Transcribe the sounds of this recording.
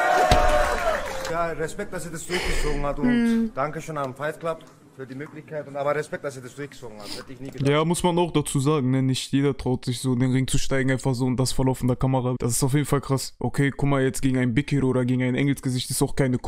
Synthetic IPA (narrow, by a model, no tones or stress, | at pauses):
jaːʁɛspɛk̚t̚d̥asiːɐdasd̥ʊɐçɡ̥ət͡soːɡŋ̩hatʊnd̥aŋkəʃoːnamfaɪtklap̚t | fyːɐdiːmøːklɪçkʰaɪtʊntaːbɐʁɛspɛk̚d̥asiːɐdasd̥ʊɐçɡ̥ə̥t͡soːɡŋ̩hahɛtəɪçniːɡjaːmʊsmanaʊxd̥at͡suːzaːɡŋ̩nənɪçtʰjeːdɐtʁ̥aʊtz̥ɪçz̥oːdeːnʁɪŋt͡suʃtaɪɡŋ̩aɪnfaχz̥oːʊnt̚d̥asfɛɐlaʊfn̩dəɐkʰamɐʁad̥asɪ̥staʊfjeːdn̩falkʁ̥asʔokʰeːkʰʊmajɛt͡sɡ̥eːɡŋ̩aɪnbɪkəʔoːɾɐɡeːɡŋ̩aɪnʔɛ̰ŋl̩sɡ̥əzɪçtɪstaʊxkʰaɪnək